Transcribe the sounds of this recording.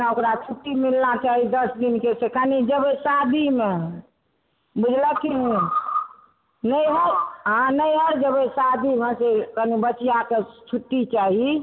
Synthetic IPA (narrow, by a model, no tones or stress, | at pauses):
naokɾat͡ʃʰuʈːimilnat͡ʃaɦid̪əsd̪inkesekanid͡ʒəbesad̪ʱime | bud͡ʒʱləkĩ | nəjɦəɾɦãnəjɦəɾd͡ʒəbəsad̪ʱimesekanibət͡ʃjaket͡ʃʰuʈːit͡ʃaɦi